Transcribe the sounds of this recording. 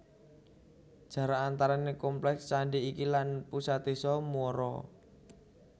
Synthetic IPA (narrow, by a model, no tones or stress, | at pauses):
d̥ʒ̥a̤ɾaːnt̪aɾanekɔmplɛkst͡ʃaɳɖiikilanpusat̪esɔmɔɾɔ̰